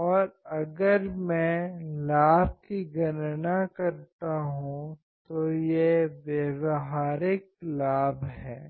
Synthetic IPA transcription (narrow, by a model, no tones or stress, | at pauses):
ɔːɾɐɡəɾmɛ̃laːb̚kiɡɐnnakɐɾt̪aɦũ | t̪ojeʋeʋɦaːɾɪk̚laːbɦɛ̰ː